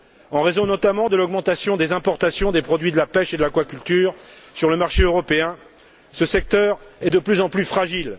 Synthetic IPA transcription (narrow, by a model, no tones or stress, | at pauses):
ɑ̃ʁezɔ̃nɔt̪amɑ̃d̪əlɔɡmɑ̃t̪asjɔ̃d̪ezɛ̃pɔʁt̪asjɔ̃d̪epχɔd̪ɥid̪əlapɛʃed̪əlakwakʲylt̪yːʁsyʁləmaʁʃeøʁɔpeɛ̃ | səsɛk̚t̪œʁɛd̪əplyzɑ̃plyfχaʒil